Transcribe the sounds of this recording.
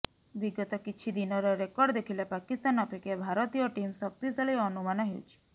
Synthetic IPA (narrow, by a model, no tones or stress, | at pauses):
biɡɔt̪ɔkit͡ʃʰid̪inɔɾɔɾekɔɾɖd̪ekʰilepakist̪anɔpekebʱaɾɔt̪ijɔʈimsɔk̚t̪isaɭiɔnumanɔɦeṵt͡ʃʰi̥